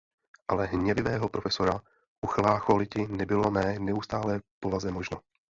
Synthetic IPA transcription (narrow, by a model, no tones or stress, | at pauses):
ʔalɛɦɲɛvɪvɛːɦo̞pɾo̞fɛso̞ɾa | ʔuxlaːxolɪcɪnɛbɪlo̞mɛːnɛust̪aːlɛːpovazɛmo̞ʒno